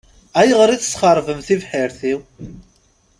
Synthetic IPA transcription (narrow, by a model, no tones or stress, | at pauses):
æjəʁɾˤiθəsχəɾˤvəmθivħiɾθiw